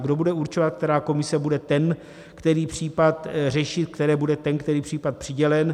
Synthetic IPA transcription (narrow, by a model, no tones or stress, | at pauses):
ɡdo̞budɛuɾt͡ʃovat̪̚k̚t̪ɛɾaːko̞mɪsɛbudɛt̪ɛn | kt̪ɛɾiːpr̝̥iːpat̪rɛʃɪt̪̚kt̪ɛɾɛːbudɛt̪ɛnkt̪ɛɾiːpr̝̥iːpat̪̚pr̥ɪɟɛlɛn